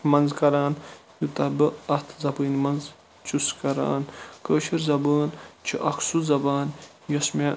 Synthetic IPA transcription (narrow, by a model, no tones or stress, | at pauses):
mɐnzkɐɾaːnjut̪ɐbɨɐht̪ʰzɐbəːnmɐnz | t͡ʃuskɐɾa̰ːnkəːʃiɾzɐbəːnt͡ʃʰiʔɐksuzɐbaːn | jɐsmʲa